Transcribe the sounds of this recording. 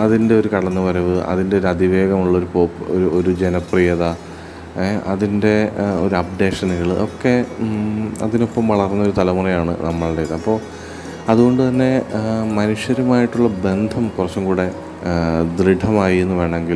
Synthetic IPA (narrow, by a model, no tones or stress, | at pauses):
ɐðinde̞o̞ɾukɐɽɐnːɨpɐɾuʋɨʔɐ̰ðinde̞ɾɐd̪iʋe̞ːɣɐmuɭːɐo̞ɾupoːpːoɾuoɾud͡ʑenɐprijɐðɐ | ɐðinde̞o̞ɾuɐb̚ɖe̞ːʂɐnɨɣɐɭʔo̞kːe̞ | ɐ̰ðino̞pːɐmʋɐɭɐrnːɐo̞ɾut̪ɐlɐmurɐjaːɳɨ̰nɐmːɐɭɽejðɐɐpːo̞ː | ɐðuɣo̞ɳɖut̪ɐnːe̞mɐnuʂjɐɾumaːjiʈːuɭːɐbe̞nd̪ʱɐmkurɐt͡ɕːɐmkuːɽe̞ | d̪riɖʱɐmaːjienːuʋeːɳɐ̃eŋɡil